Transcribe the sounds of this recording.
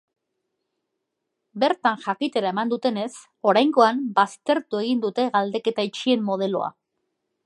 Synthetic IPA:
be̞ɾt̪anʝakit̪e̞ɾae̞mand̪ut̪e̞ne̞s | o̞ɾajŋɡo̞ambast̪e̞ɾt̪ue̞ɣ̞ind̪ut̪e̞ɣald̪e̞ke̞t̪ait͡ʃie̞mːo̞ð̞e̞lo̞̰a̰

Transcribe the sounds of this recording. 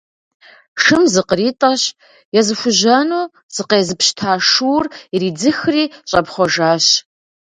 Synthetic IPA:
ʂɨmzɨqəriːtʼɐɕ | jɛzɨxʷʊʑɐnuː | z̥ɨqeːzɨpɕtʰaːʂuwririːd͡zɨxriːɕʼɐpχʷɔʒaːɕ

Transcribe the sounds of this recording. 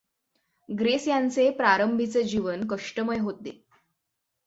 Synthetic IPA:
ɡɾesjant͡sepɾaɾəmbʱit͡sed͡ʑiʋənkəʂʈəməjɦot̪̚ḛ

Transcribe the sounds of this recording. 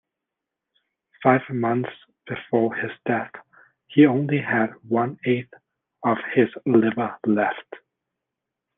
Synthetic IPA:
faɪv̥mʌ̃nθs | b̥ɨfɔɹɪz̥dɛθ | hiõʊ̃nliɨd̚wʌ̃neɪθ | ʌv̥hɪzlɪvə˞lɛft

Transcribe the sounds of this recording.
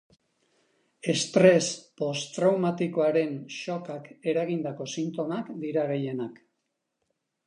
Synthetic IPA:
e̞st̪ɾe̞spo̞st̪ɾawmat̪ikoaɾe̞nʃo̞kake̞ɾaɣ̞ind̪ako̞sint̪o̞makd̪iɾaɣeje̞nak

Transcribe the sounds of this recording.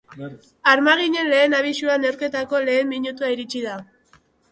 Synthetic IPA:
aɾmaɣ̞iɲe̞nle̞ːnaβ̞isuanewɾke̞t̪ako̞le̞ːmːiɲut̪uaiɾit͡ʃið̞a

